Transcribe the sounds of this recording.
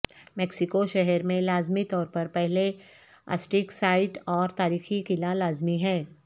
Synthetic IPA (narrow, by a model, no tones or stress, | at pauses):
mɛksɪkoʃɛɦɛɾmẽlaːzmit̪ɔːɾpɐɾpɛɦle | a̰sʈɪksaːɪʈɔːɾt̪aːɾiːxikɪlalaːzmiɦɛː